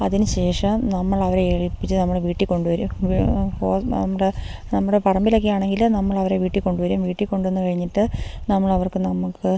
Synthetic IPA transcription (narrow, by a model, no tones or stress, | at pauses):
ɐðinɨɕe̞ːʂɐmnɐmːɐɭɐʋɐɾeeɻipːit͡ɕːɨnɐmːɐɭeʋiːʈːikːo̞ɳɖuʋɐɾumoːɐ̰mːɐɽe | nɐmːuɽepɐrɐmbiloːk̬ːijaːɳe̞ŋɡilnɐmːɐɭɐʋɐɾe̞ʋiːʈːikːo̞ɳɖuʋɐɾumʋiːʈːikːo̞ɳɖuenːɨkɐɻiɲːiʈːɨnɐmːɐɭɐʋɐrkɨnɐmukːɨ